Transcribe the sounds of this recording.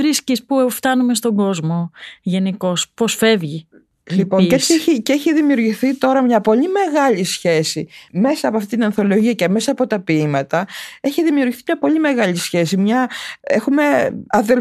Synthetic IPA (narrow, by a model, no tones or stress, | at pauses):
ɾiscispuft̪ɐnume̞st̪o̞ɡo̞zmo̞ʝe̞niko̞sposfe̞vʝi | lipoɲeet͡ssieçiceeçiðimiuɾʝiθit̪o̞ɾɐmɲɐpo̞lime̞ɣɐʎisçe̞sime̞sɐːpoɐft̪it̪inɐnθo̞lo̞ʝiɐceme̞sɐːpo̞t̪ɐpiimɐt̪ɐe̞çiðimiuɾʝiθimɲɐpo̞ʎime̞ɣɐʎisçe̞simɲɐexume̞ɐðel